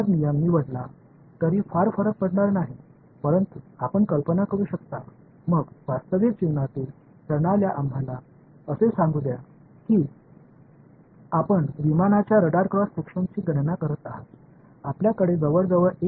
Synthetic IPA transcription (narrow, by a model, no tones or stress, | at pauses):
d̪nijanːiːʋəɽla | t̪əɾiːfaɾfəɾək̚pəɽɳaɾnaɦi | pəɾənt̪uapəɳkəlpənakəɾuːɕəkt̪a | məɡʋast̪əʋed͡ʑiʋnat̪iːl | t̪əɾɳaljaʔambʱala | əsesãŋɡud̪ja | kiː | apəɳʋimanat͡ɕjaɾəɽaɾkɾɔsːekʂənt͡ɕiːɡənnakəɾət̪aɦət̪ | apljakəɽed͡zəʋəɾd͡zəʋəɾe